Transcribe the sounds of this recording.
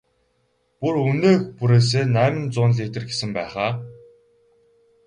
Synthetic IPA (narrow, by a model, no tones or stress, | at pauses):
puruneːxpuɾeːs̬eːnæːmɘ̆nt͡sʊːnɮit̪ɘ̆rɡesɘ̆mpæːχaː